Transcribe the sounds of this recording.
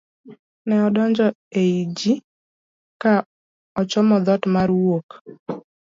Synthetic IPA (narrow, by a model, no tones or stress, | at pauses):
nɛɔdɔɲd͡ʒɔ | eid͡ʒi | ka | ɔt͡ʃɔmɔd̪ɔtmaɾwok